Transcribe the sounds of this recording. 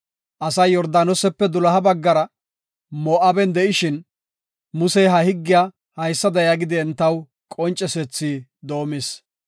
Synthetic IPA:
ʔɐsɐjːɔɾd̪aːnɔsɛpːɛd̪ʊlɐɦɐbɐɡːɐɾɐ | moːʔɐbɛnd̪ɛʔɪʃɪn | mʊsɛjɦɐhɪɡːɪja | hɐjsːɐd̪ɐjaɡɪd̪ɪɛnt̪ːɐw | kʼɔnt͡ʃʼːɛsɛt͡sːiːd̪o̞ːmɪs

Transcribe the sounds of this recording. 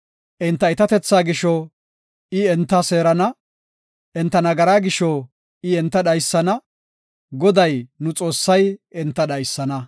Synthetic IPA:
ʔɛnt̪ːɐɪt̪ɐt̪ɛt͡sːaːɡɪʃɔ | ɪɛnt̪ːɐseːɾɐnɐ | ʔɛnt̪ːɐnɐɡɐɾaːɡɪʃɔ | ɪɛnt̪ːɐɗɐjsːɐnɐ | ɡɔd̪ɐjnʊt͡sʼo̞ːsːɐjɛnt̪ːɐɗɐjsːɐnɐ

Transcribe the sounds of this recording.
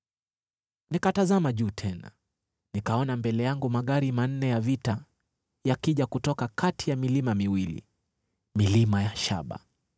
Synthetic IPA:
nikatazamaʄuːtʰɛna̰ | nikaɔnambɛlɛjaŋɡumaɠaɾiman̩nɛjavita | jakiʄakutɔkakʰatijamilimamiwilḭ | milimajaʃa̰ɓa̰

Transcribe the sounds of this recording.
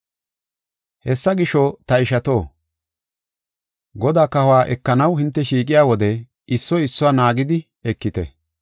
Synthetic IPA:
hɛsːɐɡɪʃɔt̪ɐɪʃɐt̪oː | ɡɔd̪aːkɐhʊwaːʔɛkːɐnɐwhɪnt̪ːɛʃiːkʼɪjaːwɔd̪ɛ | ɪsːɔɪsːʊwaːnaːɡɪd̪ɪ | ɛkːɪt̪ɛ̰

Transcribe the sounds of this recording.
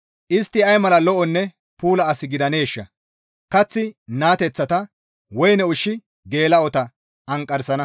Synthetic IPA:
ʔɪst̪ːɪɐjmɐlɐlɔʔɔnːɛ | puːlɐːsɪɡɪd̪ɐne̞ːʃːɐ̰ | kɐt͡sːɪnaːt̪ɛt͡sːɐt̪ɐ | wɔjnɛʊʃːɪ | ɡe̞ːlɐɔt̪ɐ | ɐŋkʼːɐɾsɐnɐ

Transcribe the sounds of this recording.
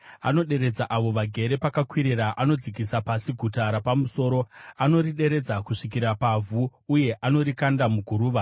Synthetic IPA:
a̰no̞ɗe̞ɾe̞d͡zaʔaʋo̞ʋaɡʱe̞ɾe̞pakakwiɾiraʔano̞d͡zikisapasiɡʱutaɾapamuso̞ːɾo̞ano̞riɗe̞ɾe̞d͡zakuʂik̬iɾapavʱuuje̞ʔano̞ɾikandamuɡʱuɾuːʋa

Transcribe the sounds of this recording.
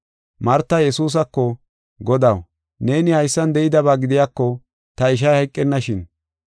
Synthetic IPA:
mɐɾt̪ːɐjɛsuːs̬ɐkːɔ | ɡɔd̪ɐw | ne̞ːnɪhɐjsːɐnd̪ɛʔɪd̪ɐβaːɡɪd̪ɪjaːkːɔ | t̪ɐɪʃ̬ɐjhɐjkʼːɛnːɐʃɪn

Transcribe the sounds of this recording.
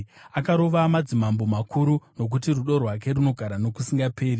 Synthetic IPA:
akaɾo̞ʋamad͡zimambomakuɾuno̞k̬utiruɗo̞rwak̬e̞runo̞ɡʱaɾano̞kusiŋɡapʰe̞ːri

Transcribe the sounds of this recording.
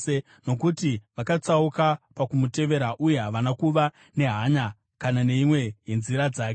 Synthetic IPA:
e | no̞kutiʋakat͡saukapakumute̞ʋe̞ɾaʔuje̞ɦaʋanakuʋa | ne̞ɦaɲa | kanane̞imwe̞jenziɾad͡zaːke

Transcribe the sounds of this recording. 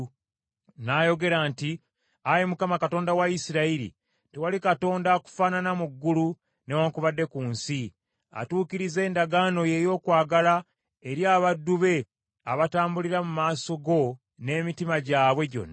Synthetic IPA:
naːjo̞ɡe̞ɾaːnti | ajemukamakato̞ːndawaisiɾaiɾḭ | tewalikato̞ːndaku̥faːnanamuɡːulu | newakuβadːe̞kuːnsi | a̰tuːkiɾize̞ːndaɡaːno̞je̞jo̞ːkwaːɡala | eɾjaːβadːuβe̞ | aβataːmbuliɾamumaːso̞ɡo̞ | ne̞ːmitimaɟaːβwe̞ɟo̞̰nːa

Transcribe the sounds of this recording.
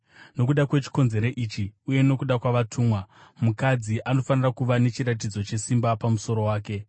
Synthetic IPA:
no̞k̬uɗakwe̞t͡ʃi̥ko̞nze̞ɾoʔiːt͡ʃiuje̞no̞kuɗakwaʋatʰuːmwamukad͡ziʔano̞fanirakuʋane̞t͡ʃiɾat̬id͡zo̞t͡ʃe̞simbapamuso̞ɾo̞waːke̞

